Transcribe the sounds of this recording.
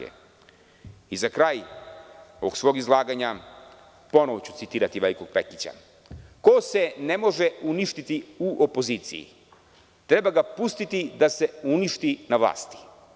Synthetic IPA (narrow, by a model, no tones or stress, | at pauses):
ḛ | izakɾaːj | oʋoɡsʋo̞ːɡizlˠaːɡaɲa | po̞noʋot͡ɕu̥t̪sit̪iːɾat̪iʋeliko̞ɡ̚pe̞̰kit͡ɕa̰ | kose̞ne̞mo̞ʒeuniʃt̪it̪iuʔopo̞ziːt̪sḭjḭ | t̪ɾe̞baɡapust̪it̪id̪ase̞uniʃt̪inaʋla̰ːst̪i̥